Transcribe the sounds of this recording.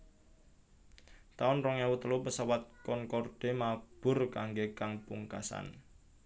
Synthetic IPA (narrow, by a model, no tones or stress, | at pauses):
t̪aɔnrɔŋawut̪əlupəsawat̪̚kɔnkɔrɖ̥e̤mab̥ʊ̤rkaŋɡekaŋpuŋkasa̰n